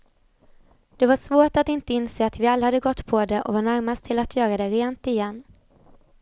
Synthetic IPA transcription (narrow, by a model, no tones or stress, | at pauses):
d̪̥ɛvaʂvoːʈat̪ɪnt̪əɪnseːat̪vɪalːahad̪ːəɡɔt̪ːpʰɔd̪ɛʔɔ̰vaɳæɾmast̪ʰɪlat̪ʰjœːɾad̪ɛɾeːnt̪ɪjɛnː